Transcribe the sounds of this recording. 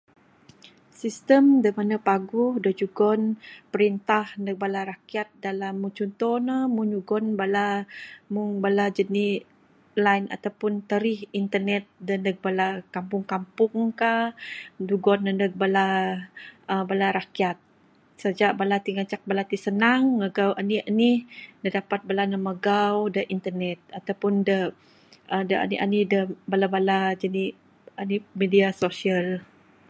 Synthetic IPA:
sist̪əmdəmanəpaɡʊhdəd͡ʒuɡɔnpəɾint̪ahnək̚balaɾakiat̪̚dalamːut͡ʃɔnt̪ɔnamund͡ʒuɡɔnbalamuŋbalad͡ʒəni | lajna̰t̪awpʊnt̪əɾihint̪ərnɛt̪̚dəndək̚balakampʊŋkampʊŋkahduɡɔndənəɡ̚bala | əbalaɾakiat̪̚ | səd͡ʒaʔbalat̪iŋət͡ʃak̚balat̪isənaŋməɡawʔanianihdədapat̪̚balanəməɡawdəʔint̪ənɛt̪̚at̪awpʊndə | ʔədəa̰niʔa̰nidəbalabalad͡ʒəni | animediasosial

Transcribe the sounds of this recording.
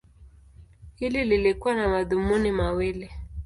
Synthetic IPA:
hilililekwanamaðumunimawele

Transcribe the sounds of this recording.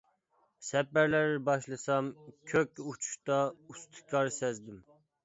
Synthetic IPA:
sɛpːæɾlæɾbɑʃlˠɨsɑmkʲʰøkʲut͡ʃʰu̥ʃt̪ɑust̪ʰɨ̥kʲʰɑɾsɛzd̪ɪm

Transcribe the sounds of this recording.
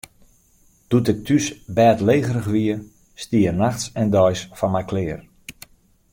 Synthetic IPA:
d̥utɪtʰysbɛːtleːɣərəxʋiə | stiərnaxsɛndɔjsfɔnmɛjklɪːr

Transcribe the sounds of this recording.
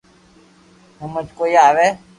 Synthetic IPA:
ɦũmət͡ʃkoːiːaːʋeː

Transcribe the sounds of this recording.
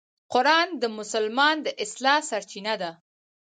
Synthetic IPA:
qʊɾɑnd̪əmʊsʊlmɑnd̪əʔɪslɑsaɾt͡ʃinad̪a

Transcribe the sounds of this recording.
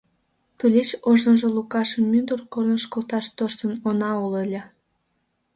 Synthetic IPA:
t̪ulʲet͡ɕoʒnənʒolukɑʃəmːynd̪urkornəʃkolˠt̪ɑʃt̪oʃt̪ənonɑolelʲe

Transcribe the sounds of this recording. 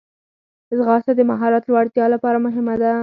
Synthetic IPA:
zɣɑst̪ad̪əmaɦɑɾɑt̪lwɑɽt̪jɑlapɑɾamʊɦɪmad̪a

